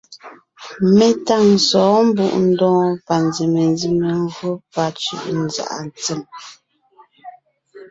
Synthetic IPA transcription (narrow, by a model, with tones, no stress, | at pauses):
me˦ta˦˨ŋsɔː˨˦m̩˦bṵ˦˨ʔn̩˦dɔ̃ː˦pa˨nzi˨me˨n˦zi˦me˨ŋ˦ɡɰo˦pa˦t͡ʃʉ̰˦ʔn˨za̰˨ʔa˨n˨t͡se˦˨m